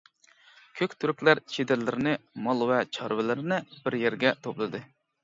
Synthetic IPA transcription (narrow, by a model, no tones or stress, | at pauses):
kʲʰøkʲt̪ʰyɾykʲlæɾt͡ʃʰed̪ɪɾlɪɾɪnɪmɑlˠvɛt͡ʃʰɑɾvɪlɪɾɪnɪbɪɾjæɾɡʲɛt̪ʰoplˠɨd̪ɨ